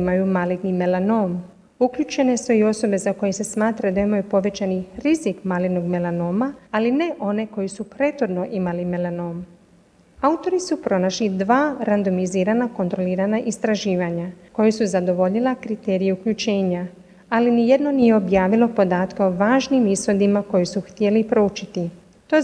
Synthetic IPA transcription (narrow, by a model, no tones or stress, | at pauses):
imajumalit̪nime̞lano̞ːm | ukʎut͡ʃe̞ne̞suio̞so̞be̞zako̞jese̞smaːt̪ɾad̪aimajupo̞ʋe̞t͡ɕaniɾizikmalit̪noɡmelano̞ːmaːline̞ʔo̞ne̞ko̞jisupɾe̞t̪xod̪no̞ʔimalime̞lano̞ːm | aut̪o̞ɾisupɾo̞naʃlid̪ʋaːɾand̪o̞miziːɾanako̞nt̪ɾo̞liːɾanaʔist̪ɾaʒiːʋaɲako̞jesuzad̪o̞ʋo̞ʎilˠakɾit̪e̞ːɾijeukʎut͡ʃe̞ːɲa | alinije̞d̪no̞nije̞objaːʋilˠo̞po̞d̪aːt̪kao̞ʋaːʒnimisho̞d̪imako̞jisuxt̪je̞lipɾout͡ʃit̪i | t̪o̞